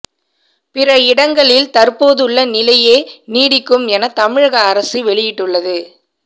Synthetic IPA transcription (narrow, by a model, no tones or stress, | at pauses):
pɪɾɐɪɽɐŋɡɐɭɪlt̪ɐɾpoːðɯɭːɐnɪlɐjeːniːɽɪkːɯmɛnɐt̪ɐmɪɻɣɐːɾɐsiʋɛɭɪjɪʈːɯɭːɐðɯ